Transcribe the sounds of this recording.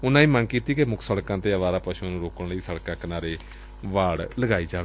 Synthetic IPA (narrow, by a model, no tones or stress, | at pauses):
ʊnãːĩːmənkiːt̪iːkemʊkʰsəɽkãːt̪eːəʋaːɾaːpəʃuːnũːɾoːkəɳləiːsəɽkãːkənaːɾeː | ʋaːɽləɡaːiːd͡ʒaːe